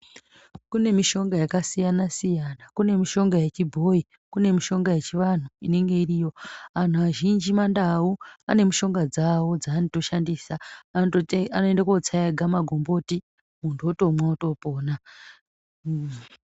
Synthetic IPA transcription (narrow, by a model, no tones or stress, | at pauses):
kune̞miʃo̞ŋɡajakasijanasijanakune̞miʃo̞ŋɡaje̞t͡ʃibʱo̞i | kune̞miʃo̞ŋɡaje̞t͡ʃiʋan̤uine̞ŋɡe̞irijo̞an̤uaʒind͡ʒimandauane̞miʃo̞ŋɡad͡zawo̞d͡zaːnito̞ʃandiːsa | anoendakuot͡sajaɡʱamaɡʱo̞mbo̞ti | muntʰuoto̞mwaoto̞po̞ːna